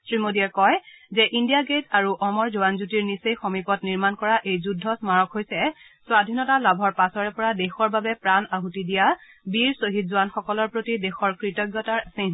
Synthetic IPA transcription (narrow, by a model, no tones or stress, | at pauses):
sɹimodiɛɹkɔjzɛʔindijaɡetʰaɹuʔɔmɔɹzuwanzutiɹnisejxomipɔtniɹmankɔɹaʔejzudʱːɔsmaɹɔkɦojsɛ | swadʱinɔtalabʱɔɹpasɔɹɛpɔɹadexɔɹbabɛpɹanaɦutidija | biɹsoɦitzʊanxɔkɔlɔɹpɹotidɛxɔɹkɹitɔɡjɔtaɹsin